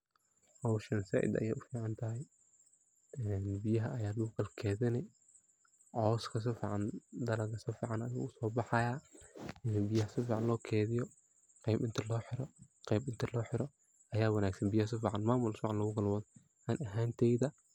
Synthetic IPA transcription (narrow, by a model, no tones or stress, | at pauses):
hɐwʃɐnsa̰ːʔɪ̰d̪ɐ̰jɛ̰ːʔʊfiːʕɑnt̪ʰɐɦɛj | ɛːnbɪjɐɦɐʔɐjaːlʊːkʰɐlkʰɛːðɪnɛ | ʕɔːskʰɐs̬ɪfiːʕɑnd̪ɐlɐɣɐsɪfiːʕɑnɐjṵːʊsɔːbɑħɑjaːɪnbɪjɐɦɐsɪfiːʕɑnlɔːkʰɛːðɪjɔ | qɛːbɪnt̪ʰɐlɔːħɪɾɔqɛːbɪnt̪ʰɐlɔːħɪɾɔ | ɐjaːwɑnaːɡsɐnbɪjɐhɐs̬ɪfiːʕɑnmaːmʊlsfiːʕɑnlɐɣʊɡɐlwɐð | ʔanʔɐɦaːnt̪ʰɛjðɐ